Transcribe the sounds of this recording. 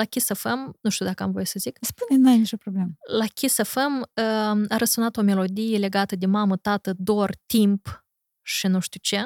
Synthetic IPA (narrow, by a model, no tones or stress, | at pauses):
lakʲisafəmnuʃt̪ud̪akəamvo̞jesəzikspunenuajnit͡ʃopɾobleməlakʲisafəməaɾəsunat̪o̞me̞lo̞d̪ijele̞ɡat̪əd̪e̞mamət̪at̪əd̪ort̪imp | ʃinuʃt̪ʲut͡ʃe̞